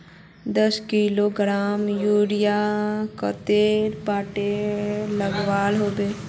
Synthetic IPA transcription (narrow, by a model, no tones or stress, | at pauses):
d̪əskiloɡɾaːmjuːɾijakət̪eːɾpaːʈeləɡwaːlɦoːbeː